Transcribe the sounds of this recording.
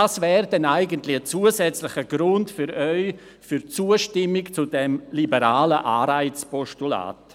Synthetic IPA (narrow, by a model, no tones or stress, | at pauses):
aːsvɛːɾdɛnaɪɡəntlɪət͡suəzɛt͡slɪxəɡɾʊntfyɾœʏ | fyɾt͡suːəʃtɪmɪkt͡sudɛmlibəɾaːləʔaːɾaɪt͡spɔʃtula̰ːt